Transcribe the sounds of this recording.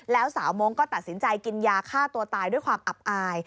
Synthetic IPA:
lɛː˦˥wsaː˩˦wmoː˧ŋkɔː˥˩t̪a˨˩t̪̚si˩˦nt͡ɕa˧jki˧njaː˧kʰaː˥˩t̪u˧ɐt̪aː˧jdu˥˩jkʰwaː˧mʔa˨˩p̚ʔaː˧j

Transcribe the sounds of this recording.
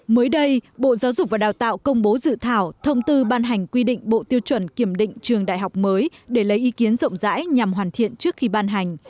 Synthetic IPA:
məː˨˦jɗə˧jɓo̰˧˨zaː˨˦wzʊ˨˩k͡p̚vaː˨˩ɗaː˨˩wt̪a̰ː˧˨wkə˧wŋ͡mɓo˨˦zɨ̰˧˨t̪ʰaː˧˩wt̪ʰə˧wŋ͡mt̪ɨ˧ɓaː˧nɦa˨˩jŋ̟kwi˧ɗḭ˧˨ŋ̟ɓo̰˧˨t̪i˧əwt͡ɕwə˧˩nki˧˩əmɗḭ̈˧˨ŋ̟t͡ɕɨ˨˩əŋɗa̰ː˧˨jɦa˨˩wk͡p̚məː˨˦jɗe˧˩lə˨˦jʔi˨˦ki˨˦ənzə̰˧˨wŋ͡mza̰ː˧˥jɲa˨˩mɦwaː˨˩nt̪ʰḭ˧˨ənt͡ɕɨ˦˥ək̚xi˧ɓaː˧nɦa˨˩jŋ̟

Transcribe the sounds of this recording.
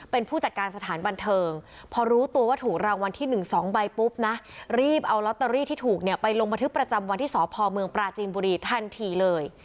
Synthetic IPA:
pe˧npʰuː˥˩t͡ɕa˨˩t̪̚kaː˧nsa˧t̪ʰaː˩˦nba˧nt̪ʰɤː˧ŋ | pʰɔː˧ɾuː˦˥t̪u˧əwaː˥˩t̪ʰuː˨˩k̚ɾaː˧wa˧nt̪ʰiː˥˩nɯ˨˩ŋsɔː˩˦ŋba˧jpu˦˥p̚na˦˥ɾiː˥˩p̚ʔa˧wlɔ˦˥t̪ːa˧ɾiː˥˩t̪ʰiː˥˩t̪ʰuː˨˩k̚ni˥˩pa˧jlo˧ŋba˧nt̪ʰɯ˦˥k̚pɾa˧t͡ɕa˧mwa˧nt̪ʰiː˥˩sɔː˩˦pʰɔː˧mɯ˧əŋpɾaː˧t͡ɕiː˧nbuː˧ɾiː˧t̪ʰa˥˧˩nt̪ʰiː˧lɤː˧j

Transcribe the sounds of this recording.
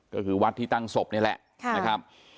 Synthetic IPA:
kɔː˥˩kʰɯː˧˩wa˦˥t̪ʰːiː˥t̪a˥˩ŋso˨˩p̚ni˥˩ɐlɛ̰˨˩ʔkʰna˦˥kʰa˦˥p̚

